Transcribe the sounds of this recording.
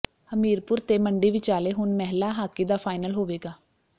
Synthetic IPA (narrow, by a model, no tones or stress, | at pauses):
əmiːɾpʊɾt̪eːməɳɖiːʋɪt͡ʃaːleːɦʊnmɛɦlaːɦaːkiːd̪aːpʰaːɪnəlɦoːʋeːɡaː